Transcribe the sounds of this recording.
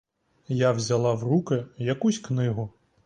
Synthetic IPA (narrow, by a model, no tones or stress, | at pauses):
jawzʲalˠawrukɪjɐkusʲknɪɦʊ